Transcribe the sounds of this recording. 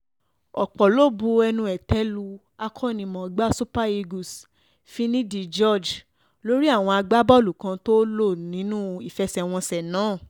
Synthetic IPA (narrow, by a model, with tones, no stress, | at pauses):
ɔ˨k͡pɔ˨lo˦˨bu˧ɛ˧nũ˧ɛ˨tɛ˨˦lu˧ | a˧kʰɔ˦nĩ˧mɔ̃˨˦ɡ͡ba˦so˦pa˦e˧ɡu˨s | fĩ˦nĩ˦di˧˨d͡ʒɔ˦˨d͡ʒ | lo˦ɾi˦a˦˨w̃ɔ̃˧a˧ɡ͡ba˦bɔ˦˨lu˨kã˧to˦lo˦˨nĩ˨˦nũ˦i˨fɛ˧˦sɛ˨w̃ɔ̃˧sɛ˨nãː˨˦˨